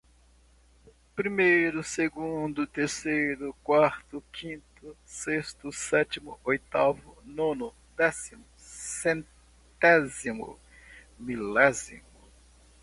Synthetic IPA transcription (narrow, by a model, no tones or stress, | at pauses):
pɾimejɾʊseɡũd̪ʊt̪eɾsejɾʊkwaɾt̪ʊkʰĩnt̪ʊsest̪ʊsɛt̪imʊojt̪avʊnõnʊ | d̪ɛsimʊ | sẽn | t̪ɛzimʊ̰ | milɛzḭmʊ